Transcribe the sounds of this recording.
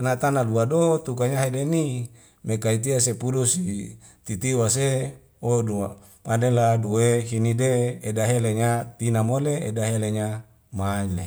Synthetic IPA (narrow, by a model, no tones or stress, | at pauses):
nat̪anaduadot̪ukaɲaɦedeni | mekait̪̬iasepudusi | t̪it̪iwase | odua | madeladueɦinideedaɦeleɲat̪inamoleedaɦeleɲa | maile